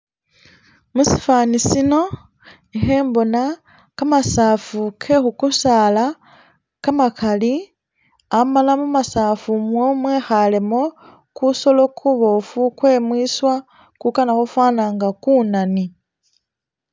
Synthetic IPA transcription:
musi̥faːnisino̞ | exe̞ːmbo̞na | kamasaːfukʰe̞xukusaːla | kamakʰali | amalamumasaːfumwomweːxale̞mo̞ | kuso̞lo̞kʰuβo̞fukwe̞ːmwiswa | kukanaxufwaːnaːŋɡakuːnani

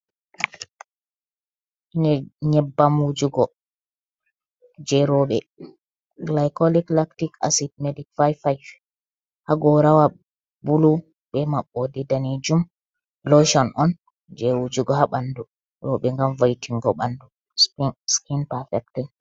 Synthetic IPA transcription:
ɲɛbːamud͡ʒuɡɔ | d͡ʒɛɾɔɓɛ | ɡlajkɔliklaktika̰sit̚mɛdikfajfajf | haɡɔɾawa | bulu | ɓɛmaɓːɔdɛdaned͡ʒum | lɔʃɔnʔɔn | d͡ʒɛwud͡ʒuɡɔɦaɓandu | ɾɔɓɛŋɡamvajtʰiŋɡɔɓandu | sskinpafɛk̚tɛ

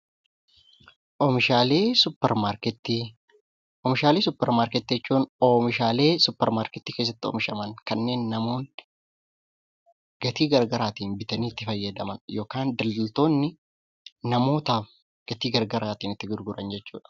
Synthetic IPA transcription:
ʔɔmɪʃaːleːsʊpːɛɾmaɾkɛt̪ːi | ʔɔmɪʃaːleːsʊpːɛɾmaːɾkɛt̪ːɪd͡ʒɛt͡ʃːuːnɔmɪʃaːle̞ːsʊpːɛɾmaːɾkɛt̪ːiːke̞ːs̬ːɐt̪ːɪɔ̰mɪʃɐmɐnkɐnːe̞ːnːɐmo̞ːn | ɡ̥ɐt̪iːɡɐɾɡɐɾaːt̪iːnbɪt̪ɐniːt̪ːɪfɐjːɐd̪ɐmɐnjo̞ːkaːnd̪ɐld̪ɐlt̪o̞ːnːɪ | nɐmo̞ːt̪aːf | ɡ̥ɐt̪iːɡɐɾɡɐɾaːt̪iːnɪt̪ːɪɡʊɾɡʊɾɐnd͡ʒɛt͡ʃːṵːᶑɐ̥

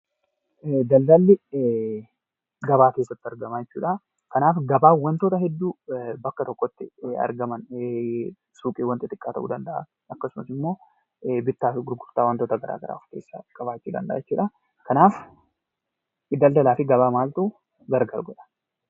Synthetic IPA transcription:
d̪ɐld̪ɐlːɪ | ɡɐbaːke̞ːsːɐt̪ːɪɐɾɡɐmajɛt͡ʃːṵːᶑɐ | kɐnaːfɡɐbaːwɐnt̪oːt̪ɐɦɛd̪ːuːbɐkːɐt̪ɔkːɔt̪ːɪɐ̰ɾɡɐmɐn | suːkʼiːwɐnt̪ɪt̪ɪkʼːaːɐ̰ʔṵːd̪ɐnd̪ɐʔa̰ | ɐkːɐsʊmɐsɪmːo̞ː | bɪt̪ːaːfɡʊɾɡʊɾt̪aːwɐnt̪oːt̪ɐɡɐɾʔa̰ːɡɐ̰ɾa̰ːʊfkḛːsːa̰kɐβaːt͡ʃːuːd̪ɐ̰nd̪ɐʔaːjɛt͡ʃːuːᶑɐ | kɐnaːf | ɪd̪ɐld̪ɐlaːfɪɡɐβaːmaːlt̪uː | ɡɐɾɡɐɾɡɔᶑɐ̥

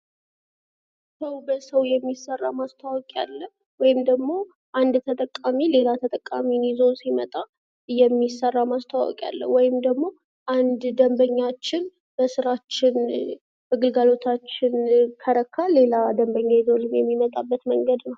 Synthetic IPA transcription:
səwbəsəwjɛmːisərːamast̪ʰawɔkʼa̰lːəh | wɔjɪmd̪əɡmo̞ | ʔand̪t̪ʰət̪ʼəkʼːamile̞lat̪ʰət̪ʼəkʼːaminizo̞nsimət̪ʼa | jɛmːisərːamast̪ʰawɔ̰kʼija̰lːə̰wɔjɪmd̪əɡmo̞ | ʔand̪d̪əmbəɲːat͡ʃːɪn | b̥əsɨɾat͡ʃːɪn | bəɡɨlɡalo̞t̪ʰat͡ʃːɪnkʰəɾəkʰːale̞lad̪əmbəɲːajizo̞lɨmjɛmːimət̪ʼabːət̪məŋɡəd̪nəw

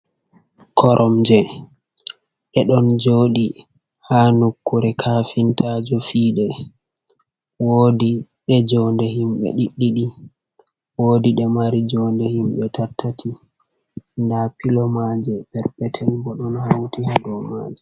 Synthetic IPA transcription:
kʰɔɾʔɔmd͡ʒɛ | ɗɛɗɔnd͡ʒoːɗi | hanukːuɾɛkʰafintʰaːd͡ʒɔfiːɗɛ | woːdi | ɗɛd͡ʒɔndɛɦimɓɛ̰ɗiɗːiɗi | woːdiɗɛmaɾid͡ʒɔndɛhimɓɛtʰatʰːatʰi | ndapilɔmad͡ʒɛbɛɾpɛtʰɛlbɔɗɔnhawtihadɔma̰d͡ʒɛ

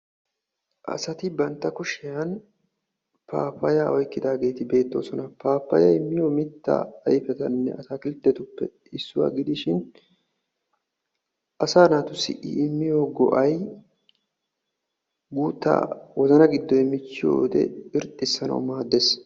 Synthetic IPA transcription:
ʔɐ̰sɐt̪ɪbɐnt̪ːɐkʊʃɪjɐn | pa̰ːpːɐjaʔɔjkːɪd̪aːɡe̞ːt̪ɪbe̞ːt̪ːo̞̰ːsɔnɐpaːpːɐ̰jɐ̰ɪmːɪjomɪt̪ːɐ̰ːjfɛt̪ɐnːɛ̰ʔɐsakɪlɪt̪ːɛt̪ʊpːɛ | ɪsːʊwa̰ɡɪd̪ɪʃɪn | ʔɐsaːnaːt̪ʊsɪ̰ʔɪ̰ɪmːɪjoːɡɔ̰ʔɐj | ɡuːt̪ːa̰wɔzɐnɐɡɪd̪ːɔjɛmːɪt͡ʃːɪjo̰ːd̪ɛ̰ɪɾt̪ʼːɪsːɐnɐ̰wmaːd̪ːeːs

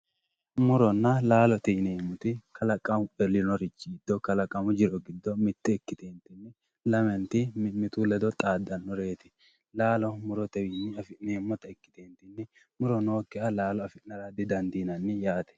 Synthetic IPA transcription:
mʊɾɔnːɐlaːlɔt̪ɛneːmːʊt̪ɪkʰɐlɐkʼːɐmʊɛlːɪnɔɾɪt͡ʃːɪɡɪd̪ːɔkɐlɐkʼɐmʊd͡ʒɪɾɔɡɪd̪ːɔmɪt̪ːɪɛkːɪt̪eːnt̪ɪnːɪ | lɐmɛnt̪ɪmɪmɪt̪ulɛd̪ɔt̪ʼaːd̪ɐnːɔɾe̞ːt̪ɪ̥ | laːlɔmʊɾɔt̪ɛwiːnːɪɐfɪneːmːʊt̪ɐɛkːɪ̥t̪eːnt̪ɪnːɪ | mʊɾɔno̞ːkːɛɐlaːlɔɐfɪnɐɾɐd̪ɪd̪ɐnd̪iːnɐnːɪjaːt̪ɛ̥

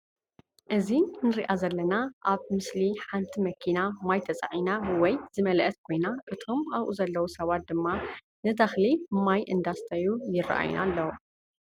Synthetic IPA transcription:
ʔɨzinɨɾiʔazɐlːɐnaʔaβmɨsliħant̪ʰimɐkʰinamajt̪ʰɐt͡sʼa̰ʕinawɔjz̥ɨmɐlʔɐt̪̚kʰo̞jnaʔɨt̪ʰomaβʔuzɐlːɐwusɐβat̪̚d̪ɨmːa | nɨt̪ʰɐxlimajʔɨnd̪ast̪ʰɐjujɪra̰ʔa̰jṵnʔa̰lːɐwu

